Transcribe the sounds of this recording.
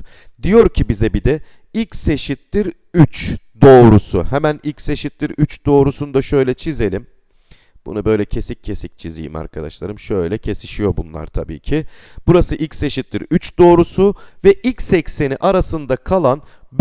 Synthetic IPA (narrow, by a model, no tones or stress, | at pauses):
d̪ijo̞ɾcʰibizɛbid̪ɛ | ilʲcse̞ʃit̪lʲiɾ | yt͡ʃd̪o̞ːɾusʊ̰hɛmænilʲcse̞ʃit̪lʲiɾyt͡ʃd̪̥o̞ːɾusund̪aʃø̞jlʲɛt͡ʃʰize̞lʲim | b̥ṵnubø̞jlʲɛcʰe̞sicʰːe̞sic̚t͡ʃʰizḭjḭma̰ɾkʰad̪a̰ʃlˠa̰ɾɯmʃøjlʲɛcʰe̞siʃijo̞bunlˠa̰ɾt̪ʰabḭːcʰib̥uɾasɯʔilʲcʲse̞ʃit̪lʲiɾyt͡ʃd̪o̞ːɾusuvɛʔilʲcsɛcse̞niʔaɾasɯnd̪akʰalˠan | b